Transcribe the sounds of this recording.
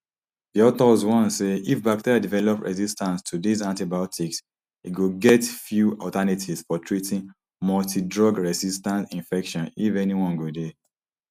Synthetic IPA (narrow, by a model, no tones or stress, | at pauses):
diɔtɔzwɔ̃nseifbak̚tʰeɹiadivɛlɔpɹʔɛ̰zistãnstʰudizãntibaɔtʰiks | iɡoɡɛtfjuɔtanitʰisfɔtʰɹitʰĩn | mɔltidɹɔɡɹɛzistãntĩnfɛkʃɔ̃nifɛniwɔ̃nɡode